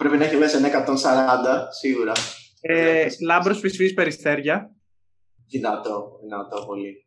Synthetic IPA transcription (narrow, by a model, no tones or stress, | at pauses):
pɾe̞pinɐeçivesenɐekɐt̪o̞nsɐɾɐnd̪ɐsiɣuɾɐ | elɐmbɾosfisfispe̞ɾist̪e̞ɾʝɐ | zinɐt̪oinɐt̪opo̞li